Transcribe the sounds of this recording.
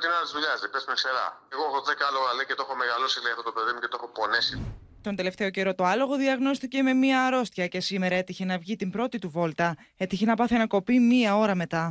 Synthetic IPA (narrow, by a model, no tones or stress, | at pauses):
t̪inlt̪izðuʎɐzðepesumekseɾɐ̰eɣoexoðekɐloɣɐleicet̪oexomeɣalosilejɐft̪ot̪ope̞ðimuce̞t̪oexopo̞nesi | t̪o̞nd̪e̞le̞ft̪e̞o̞ce̞ɾo̞t̪o̞ɐlo̞ɣo̞ðiɐɣno̞sθice̞me̞miɐːɾo̞st̪çɐce̞sime̞ɾɐe̞t̪içe̞nɐvʝit̪imbɾo̞t̪it̪uvo̞lt̪ɐ | e̞t̪içe̞nɐpɐθiɐnɐko̞pimiɐo̞ɾɐme̞t̪ɐ